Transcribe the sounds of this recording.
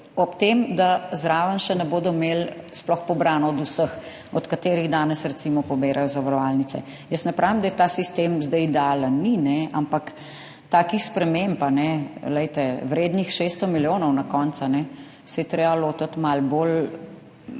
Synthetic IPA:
ɔpt̪emd̪azɾaːʋənʃɛnɛboːd̪ɔmelsplɔxpɔbɾaːnɔɔd̪usəx | ɔt̪kat̪eːɾiɣd̪aːnɛsɾɛt̪simɔpɔbeːɾajɔzaʋaɾɔʋaːlnitsɛ̰ | jəsnɛpɾʔaːʋimd̪ajɛt̪asist̪emzd̪ɛjd̪aːlənːinɛampak | t̪aːkixspɾɛmempanɛlɛjt̪ɛwɾeːd̪nixʃeːst̪ɔmiljoːnɔwnakɔnt̪sanɛ | sɛjɛt̪ɾeːbaloːt̪at̪malbol

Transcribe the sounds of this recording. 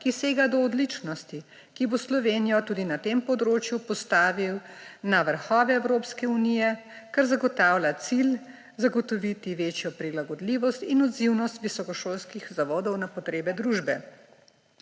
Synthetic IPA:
kiseːɡad̪ɔːd̪lit͡ʃnɔst̪i | kiboslɔʋeːnijɔt̪ud̪inat̪empɔd̪ɾoːt͡ʃjupɔst̪aːʋiwnaʋəɾxɔːʋɛɛwɾoːpskɛunijɛkaɾzaɡɔt̪aːwlʲat̪sil | zaɡɔt̪ɔʋit̪iʋeːt͡ʃjɔpɾilaɡɔd̪liʋɔst̪inɔd̪ziwnɔst̪ʋisɔkɔʃoːlskixzaʋɔːd̪ɔwnapɔt̪ɾeːbɛd̪ɾuʒbɛ

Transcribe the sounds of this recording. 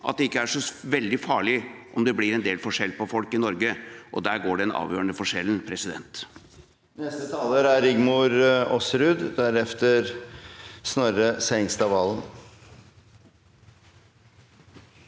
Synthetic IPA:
ʔɑ̰t̪̚d̪ɛɪkːəæʂɔʋɛld̪ɪfɑːɭɪʔɔmd̪ɛblɪɾɛnd̪eːlfɔʂɛlːpɔfɔlkɪnɔɾɡəʔɔd̪æːɾɡoːɖɛɛnɑ̰ːʋjøːɾəɳəfɔʂɛlnpʰɾɛsɪd̪ɛ̰nt̪ | nɛst̪ət̪ʰɑːləɾæɾɪɡmʊɾɔsɾʉːd̪d̪æɾɛft̪əɾ | snœɾəsɛɪŋst̪ɑːʋɑːlən̩

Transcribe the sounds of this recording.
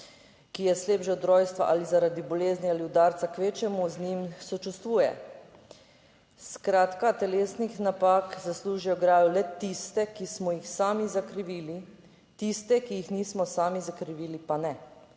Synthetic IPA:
kijɛsleːbʒɛd̪ɾɔːjst̪ʋa̰ʔa̰lizaɾad̪ibɔleːzniaːliud̪aːɾt̪sakʋeːt͡ʃɛmuznimsɔt͡ʃust̪ʋuːjɛ̰ | skɾaːt̪kat̪ɛleːsnixnapaːkzasluːʒijɔɡɾaːjulɛt̪ist̪ɛkismɔjixsaːmizakɾiʋili | t̪ist̪ɛkijixniːsmɔsaːmizakɾiʋiːlipanɛ

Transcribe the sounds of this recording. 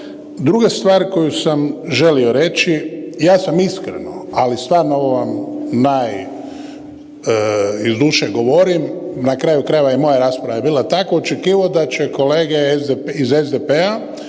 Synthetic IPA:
d̪ɾuɡest̪ʋaːɾko̞jusamʒe̞lio̞ɾe̞t͡ʃijaːsamiskɾḛnoalist̪ʋaːɾnooʋoʋamnaj | izd̪uʃeɡo̞ʋo̞ɾimnakɾajukɾajeʋajemo̞jaɾaːspɾaʋajebiːlˠat̪akoot͡ʃekiːʋaod̪at͡ɕeko̞leːɡezizezd̪epea

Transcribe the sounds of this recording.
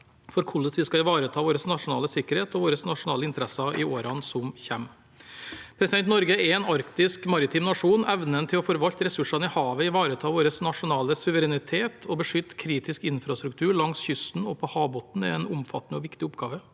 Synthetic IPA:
fɔɾkʰʊləsʋɪskɑɪʋɑːɾət̪ʰɑːʋoːɾəsnɑʂʊnɑːləsɪkːəɾheːt̪ɔʋoːɾəsnɑʂʊnɑːləɪnt̪əɾɛsɑʔɪoːɾɑnsɔmçɛm | pʰɾɛsɪd̪ɛnt̪nɔɾɡəɛɾɛnɑɾkt̪ɪskmɑɾɪt̪ʰɪmnɑʂuːnɛʋnənt̪ʰɪlɔfɔɾʋɑlt̪ɾɛsʉʂɑnəɪhɑːʋəɪʋɑːɾət̪ʰɑːʋoːɾəsnɑʂʊnɑːləsʉʋəɾɛnɪt̪ʰeːt̪ʰɔbəʂʏt̪ːkʰɾiːt̪ɪskɪnfɾɑst̪ɾʉkt̪ʰʉːɾɭɑŋsçʏst̪n̩ɔpʰɔhɑːbɔt̪n̩ɛ̰ɛnʊmfɑ̰t̪ːnəɔʋɪkt̪ɪʊpɡɑːʋə

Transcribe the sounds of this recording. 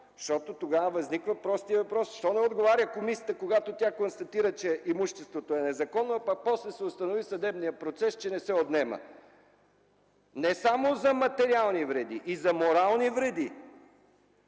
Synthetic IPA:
ʃt̪ɔt̪ot̪oɡavəvɐznikvəpɾɔst̪iəvɐpɾɔsʃt̪ɔnɛod̪ɡovaɾʲəkomisʲət̪əkoɡat̪ot̪ʲjakonst̪ɐt̪iɾət͡ʃɛʔimuʃt̪ɛst̪vot̪oɛnɛzɐkɔnːopɐpɔslɛsɛost̪ɐnovisɐd̪ɛbnijəpɾot̪sɛst͡ʃɛnɛsɛot̪nɛmə̰ | nɛsamozɐmɐt̪ɛɾialˠnivɾɛd̪iʔːzɐmoɾalˠnivɾɛd̪i

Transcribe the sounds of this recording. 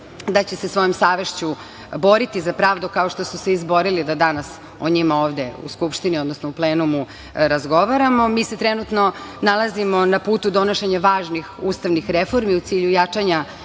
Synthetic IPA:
d̪at͡ɕesesʋo̞jomsaːʋe̞ʃt͡ɕu | bo̞ɾit̪izapɾaːʋd̪ukaoʃt̪o̞suseizbo̞ɾilid̪ad̪anas | oɲimaoːʋd̪eṵskupʃt̪iniod̪nosnoupleːnumu | ɾazɡo̞ʋaɾamo̞miːset̪ɾenut̪no̞nalˠazimonapuːt̪ud̪o̞noʃeɲaʋaːʒnixuːst̪aʋnixɾefo̞ɾmiut̪siːʎujat͡ʂaɲa

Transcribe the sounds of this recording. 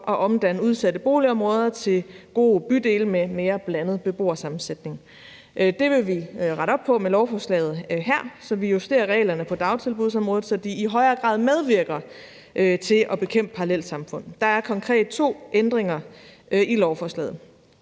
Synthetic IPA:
ʔɒ̽ʔɒ̽md̥ænəuðˠsæd̥əb̥o̝̰ːliɒ̽mʁɔːð̞ˠɐt͡sʰe̝lɡ̥o̝̰ːb̥yd̥e̝ːlmeme̝ːɐb̥lænəð̞̩ˠb̥e̝b̥o̝̰ːɐsɑ̈mn̩sed̥ne̝ŋ | ʔd̥e̝ʋe̝ʋiʁɑ̈ɾ̥ɒ̽b̥̚pʰɒ̽melɒʊfɒːslɛ̰ːð̩ˠɦæɐ̰sɒ̽ʋijusd̥e̝̰ːɐʁɛ̰ːlɐnəpʰɒ̽d̥ɑ̈ʊt͡sʰe̝lbuð̞̰ˠsɒ̽mʁɔ̽ːð̩ˠsɒ̽d̥iːɦɒ̽ɪɐːɡ̥ʁɑ̰̈ːðˠmeð̞ˠʋiɐɡ̥ɐ | ʔøt͡sʰe̝ʔɒ̽b̥e̝kʰem̰d̥̚pʰɑ̈ɑlel̰sɑ̈mfɔ̽n̰ð̩ˠd̥ɑ̈æɐkʰɒ̽ŋkʰʁɛ̰ːd̥̚t͡sʰo̝̰ːʔend̥ʁeŋɐ | ʔilɒʊfɒslɛ̰ːð̩ˠ

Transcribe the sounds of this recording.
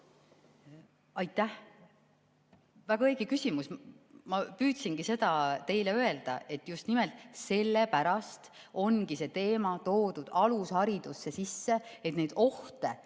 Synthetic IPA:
ɑjt̪ːˑæh | væɡɑeːɡ̥ikysimusmɑpyːt̪sinɡise̞d̪ɑt̪e̞jleøe̞ld̪̥ɑ̰e̞t̪ːˑjust̪nimelt̪se̞lːe̞pæɾɑst̪ | o̞nɡise̞t̪e̞ːmɑt̪o̞ːd̪ud̪̥ɑlushɑɾid̪̥usːe̞sisːe̞et̪ne̞jd̪̥o̞ht̪e̞

